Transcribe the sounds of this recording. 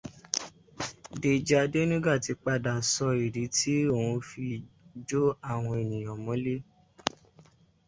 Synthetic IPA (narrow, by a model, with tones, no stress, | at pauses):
de˨d͡ʒa˧de˦nĩ˦ɡa˦˨ti˧k͡pa˧˨da˨sɔ˧i˨ɾi˨˦ti˦o˦˨wũ˧fi˧d͡ʒo˦a˦˨w̃ɔ̃˧e˨nĩ˨j̃ɔ̃˨mɔ̃˨˦le˦